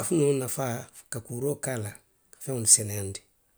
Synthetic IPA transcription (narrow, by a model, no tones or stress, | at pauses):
afunõnafa | kakuːɾokala | kḁfɛ̃ŋulisɛnɛjandi̥